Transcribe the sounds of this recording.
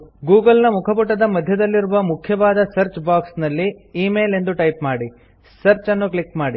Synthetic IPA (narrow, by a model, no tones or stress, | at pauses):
ɡuːɡɐlnɐmukʰɐpuʈːɐd̪ɐmɐd̪ʱjɐd̪ɐlːiɾuʋɐmukʰjɐʋaːd̪ɐsɐɾt͡ʃbaːksnɐlːiiːme̞ːle̞nd̪uʈɐjpmaːɽi | sɐɾt͡ʃɐnːuklikmaːɽi